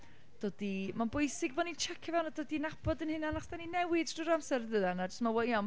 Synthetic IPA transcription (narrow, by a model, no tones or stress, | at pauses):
d̥oːd̥imanbʊjsɪɡvɔnint͡ʃʰɛkʰavɛwnadoːdinab̥ɔdənhɨnanaχsd̥aninɛwɪdd̥uɾamsɛɾðəðanad͡ʒə̥stnɔwɔiɔm